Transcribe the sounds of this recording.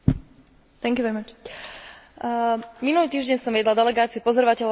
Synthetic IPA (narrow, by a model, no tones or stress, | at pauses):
t̪ɛŋkjuʋɛɾimat͡ʃ | minuliːt̪iːʒɟɛɲsɔmʋiɛd̪lad̪ɛlɛɡaːt͡siupɔzɔɾɔʋacɛʎ